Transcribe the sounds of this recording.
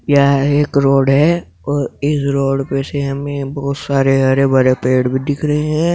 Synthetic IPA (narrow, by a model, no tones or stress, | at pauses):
jaeːkɾoːɽɦɛ | ɔːɾɪsɾoːɽpeseɦɐmẽbɔɦʊt̪saːɾeɦɐɾebɐɾepeːɽbʱid̪ɪkʰɾəɦeɦɛ̃ː